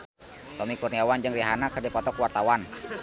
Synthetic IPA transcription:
t̪ɔmikurniawand͡ʒɨŋliɦanakərdipɔt̪ɔkwart̪awan

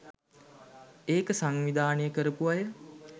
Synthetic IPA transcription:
eːkəsaŋʋid̪aːnəjəkəɾəpuajə

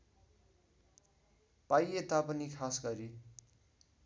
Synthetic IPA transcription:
pajet̪apʌnikʰasɡʌɾi

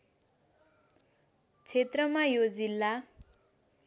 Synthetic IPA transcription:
t͡sʰet̪rʌmajod͡zilːa

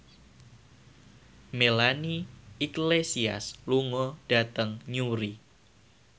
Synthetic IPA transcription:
melaniiklesia̰sluŋɔd̥a̤t̪əŋɲuɾi

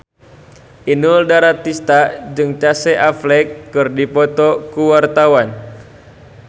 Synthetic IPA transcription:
ʔinuldaɾat̪ːist̪ad͡ʒɨŋt͡ʃasɛʔaflɛkːɨrdipɔt̪ɔkuwart̪awan

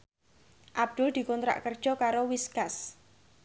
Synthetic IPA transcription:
ʔab̚d̪̥ʊld̪̥i̤kɔnt̪ɾa̰ʔkərd̥ʒ̥ɔ̤kaɾowiskas

